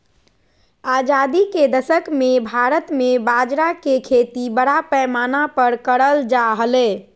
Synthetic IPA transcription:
ad͡ʒad̪iked̪əsəkmebʱaɾət̪mebad͡ʒɾakekʰet̪ibəɽapɛmanapəɾkəɽəld͡ʒaɦəle

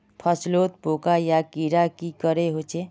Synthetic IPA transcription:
pʰəsloːt̪̚poːkajakiɾakikəɾeɦot͡ʃe

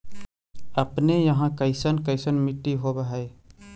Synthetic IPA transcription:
əpnejəɦãkəɪsənkəɪsənmɪʈːiɦobaɦe

